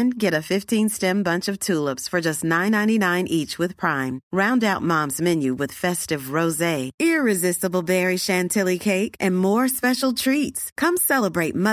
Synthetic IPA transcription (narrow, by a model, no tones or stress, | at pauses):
nɡɛɾɨfɪftʰĩnstɛ̃mbʌ̃nt͡ʃʌv̥tʰulˠəpsfə˞d͡ʒʌstⁿnãɪ̃nãɪ̃ñinãɪ̃nʔit͡ʃwɨð̥pʰɹ̥ãɪ̃mɹãʊ̃ndaʊt̚mɑ̃mzmɪ̃njʉwɨð̥fɛstɨvɹoʊzeɪɪɹɨzɪstəbl̩ˠbɛɹiʃæ̃ntʰɪlˠikʰeɪkʔɨ̃nmɔɹspɛʃl̩ˠtʰɹ̥itskʰʌ̃msɛlˠəbɹeɪt̚mʌ